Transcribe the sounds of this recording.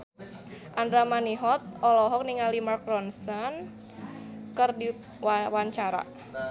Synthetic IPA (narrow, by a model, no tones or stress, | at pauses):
ʔandɾamaniɦɔt̪̚ɔlɔɦɔk̚niŋalimark̚rɔnsan | kərdi | wwaɲt͡ʃaɾa̰